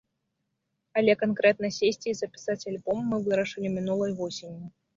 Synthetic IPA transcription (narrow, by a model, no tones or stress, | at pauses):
ɐlʲɛkankɾɛt̪nɐsʲesʲt͡sʲizɐpʲi̥sat͡sʲalʲbɔmːɨvɨɾɐʂɨlʲimʲinulˠɐjvɔsʲenʲji